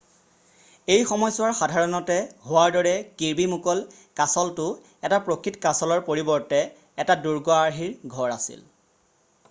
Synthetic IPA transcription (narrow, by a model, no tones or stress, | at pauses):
ejxɔmɔjsʊwaɹxadʱaɹɔnɔtɛhowaɹdɔɹɛkiɹbimukɔl | kasɔltʊ | ɛtapɹokʰitkasɔlɔɹpoɹibɔɹtɛː | taduɹɡɔaɹɦiɹɡʱɔɹasḭl